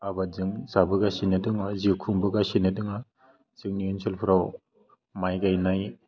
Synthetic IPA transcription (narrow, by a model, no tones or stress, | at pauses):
abazɯŋzabɯɡasinɯdɯŋaziwkʰuŋbɯɡasinɯdɯŋa | z̥ɯŋniunselpʰɯɾaw | majɡajnaj